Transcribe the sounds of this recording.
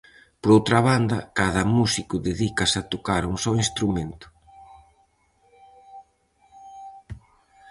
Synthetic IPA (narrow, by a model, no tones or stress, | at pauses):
poɾowt̪ɾɐβand̪ɐkaðɐmusikʊðeðikɐsɐt̪okaɾuŋsɔwinst̪ɾument̪ʊ̥